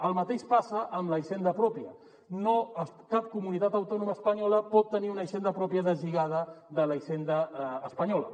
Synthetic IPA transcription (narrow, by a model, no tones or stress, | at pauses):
əlˠmət̪eʃpasəʔəmləʃend̪əpɾɔpjə | noəkap̚kumunit̪at̪əwt̪ɔnuməspəɲɔləpɔt̪ːəniunəʃend̪əpɾɔpiəðəziɣað̞əðələʃend̪əːspəɲɔlə̰